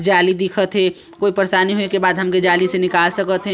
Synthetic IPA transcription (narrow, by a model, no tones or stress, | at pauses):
d͡ʒaːlid̪ɪkʰət̪ɦɛː | koːipɐɾsaːniɦonekebaːd̪ɦɐmked͡ʒaːlisenɪkaːlsɐkət̪ɦɛ